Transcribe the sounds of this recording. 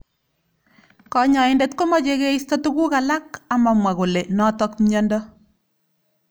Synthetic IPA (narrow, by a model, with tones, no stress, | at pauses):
kɔ˨ɲɔ˨ɪndɛtko˦mɔ˦d͡ʒe˦ɣe˦istɔ˦tu˦ku˦ka˨la˦ka˨ma˨mwa˨ko˨le˨nɔ˦tɔ˦kmɲɔ˦ndɔ˦